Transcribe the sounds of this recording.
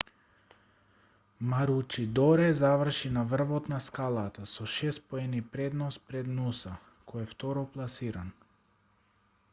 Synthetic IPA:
maɾut͡ʃid̪ɔɾɛzavr̩ʃinavr̩vɔt̪naskalˠat̪asɔʃɛst̪poɛnipɾɛd̪nɔspɾɛd̪nusa | kʰɔjɛft̪ɔɾɔplˠasiɾan

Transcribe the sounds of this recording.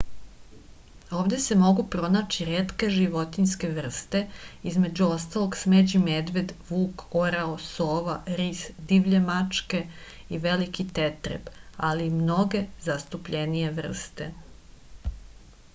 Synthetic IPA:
o̞ːʋd̪e̞se̞mo̞ɡupɾo̞naːt͡ɕiɾeːt̪ke̞ʒiʋo̞t̪inske̞ʋr̩st̪e̞izme̞d͡ʑuo̞st̪alo̞ɡsmed͡ʑimed̪ʋe̞d̪ʋuːkoɾaosoːʋaɾisd̪iʋʎemat͡ʂke̞ | iʋelikit̪et̪ɾḛbalimno̞ɡe̞zast̪upʎenije̞ʋr̩st̪e̞

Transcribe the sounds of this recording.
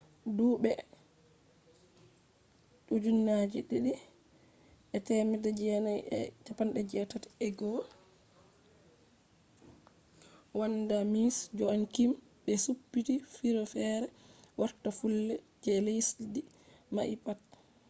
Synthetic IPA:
duːɓɛ | ɗud͡ʒunːad͡ʒiɗiɗi | ʔɛtɛmɛdɛd͡ʒɛnajɛ̰t͡ʃapanɗɛd͡ʒɛtatɛɡɔ | wandamisd͡ʒɔankim | ɓɛsupːitifiɾɔfɛɾɛwaɾtafulːɛ | d͡ʒɛlejsdidi | ma̰ʔipat̚

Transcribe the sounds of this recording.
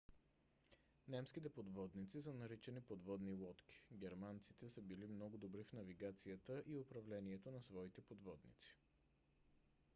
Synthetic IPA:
nɛmskit̪ɛpod̪vɔd̪nit̪sisənɐɾit͡ʃɛnipod̪vɔd̪nilˠɔt̪kʲi̥ɡʲɛɾmant̪sit̪ɛsəbilimnɔɡʊd̪obɾifn̪ɐviɡat̪sijət̪əʔiopɾɐvlɛniɛt̪onɐsvɔit̪ɛpod̪vɔd̪nḭt̪si̥

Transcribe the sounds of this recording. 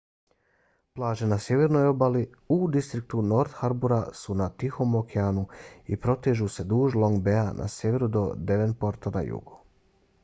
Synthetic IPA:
plˠaːʒenasje̞ʋe̞ɾno̞jo̞bali | ud̪ist̪ɾik̚t̪uno̞ɾt̪xaɾbuɾasunat̪ixo̞mokʰeanuḭpɾo̞t̪eʒuse̞d̪uːʒlˠo̞ŋɡbeanʔa̰sje̞ʋe̞ɾud̪o̞d̪e̞ʋenpo̞ɾt̪ana̰jṵɡu̥

